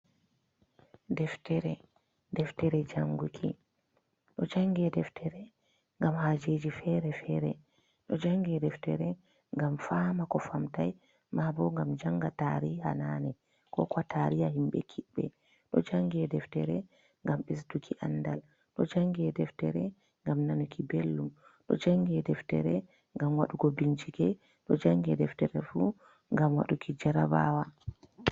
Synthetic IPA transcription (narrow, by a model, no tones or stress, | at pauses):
dɛftɛɾɛ | dɛftɛɾɛd͡ʒaŋɡukʰḭ | ɗɔd͡ʒaŋɡɛdɛftʰɛɾɛ | ŋɡamhad͡ʒed͡ʒifɛɾɛfɛɾɛ | ɗɔd͡ʒaŋɡɛdɛftɛɾɛ | ŋɡamfaːmakɔfamtaj | mabɔŋɡamd͡ʒaŋɡataɾiha̰nanɛ | kɔkɔtaɾijahimbɛ̰kʰiɓːɛ̰ | ɗɔd͡ʒaŋɡɛdɛftɛɾɛ | ŋɡamɓisdukʰiʔandal | ɗɔd͡ʒaŋɡɛdɛftɛɾɛ | ŋɡamnanukʰibelːumɗɔd͡ʒaŋɡɛdɛftɛ̰ɾɛ | ŋɡamwaɗuɡobiɲd͡ʒikɛ | ɗɔd͡ʒaŋɡɛdɛftɛɾɛfu | ŋɡamwa̰ɗukʰid͡ʒaɾaba̰wa